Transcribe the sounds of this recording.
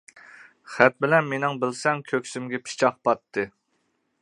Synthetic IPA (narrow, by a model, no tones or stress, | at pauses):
χæt̪̚bɪlɛnmenɪŋbɪlsɛŋkʲʰøkʲsymɡʲɛpʰi̥t͡ʃʰɑq̚pɑt̪ʰːɨ